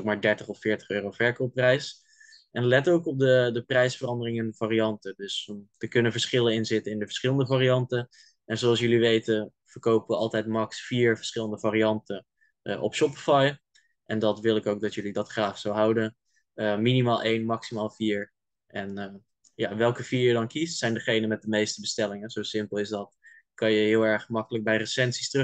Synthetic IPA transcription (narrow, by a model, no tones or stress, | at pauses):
k̚maːɹdɛɹtəχɔfɪːɹtə̥χøːrowvɛɹkoprɛjs | ʔɛnlɛtowkɔp̚dədəprɛjsfərɑndərɪŋɛndəv̥aːriɑntədɵsdəkɵnənvəɹsχɪlənɪnzɪtənɪndəvə̥ɹsχɪləndəvaːɾiɑntə | ʔɛnzoɑlˠsjɵliʋejtə | v̥əɹkowpəʋəɑlˠtɛjtmɑksfiːɹvəɹsχɪləndəvaːɾiɑntə | ʔɔ̰pʃɔpifaj | ʔɛndɑtʋɪlˠɪkowk̚dɑtjɵlidɑtχraːχsowɦɑwdən | əminimaːlˠʔejnmɑksimaːlˠviːɹ | ʔɛn | ja̰ʋɛlˠkəv̥iːɹjədɑnkistsɛjndəχejnənmɛt̚dəmejstəbəstɛlɪŋəz̥owsɪmpəlˠɪsdɑt | kɑnjəɦɪːlˠɛɹχmɑkələk̚bɛjrəsɛnsi̥str